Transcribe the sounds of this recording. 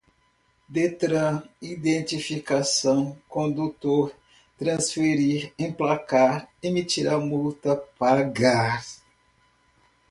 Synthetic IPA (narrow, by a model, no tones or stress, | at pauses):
d̪et̪ɾɐ̃id̪ẽnt͡ʃ̪ifikasɐ̃w̃kõnd̪ut̪oɾ | t̪ɾɐ̃sfeɾiɾẽj̃plakaɾemit͡ʃiɾamult̪ɐpaɡaɾ